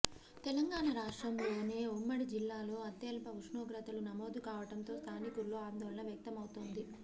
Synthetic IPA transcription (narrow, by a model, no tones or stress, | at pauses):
t̪ɛlɐŋɡaːɳɐɾaːʂʈɾɐmlo̞ːne̞ːumːɐɽid͡ʒilːaːlo̞ːɐt̪ːeːlpɐuʂɳoːɡɾɐt̪ɐlunɐmo̞ːd̪ukaːʋɐʈɐnt̪o̞ːst̪ʰaːnikuɾːo̞ːaːnd̪ɔːlɐnɐʋjɐk̚t̪ɐmɐwut̪oːnd̪i